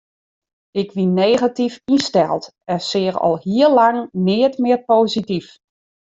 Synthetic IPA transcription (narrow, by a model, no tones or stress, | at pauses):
ɪkʋineːɣatifistɛlˠt | ɛsɪːərɔ̰lˠhiəlaŋnɪːətmɪərpoːzitif